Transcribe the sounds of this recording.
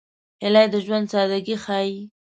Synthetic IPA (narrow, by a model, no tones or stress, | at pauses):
hɪlajd̪əʒwand̪sɑd̪aɡixaji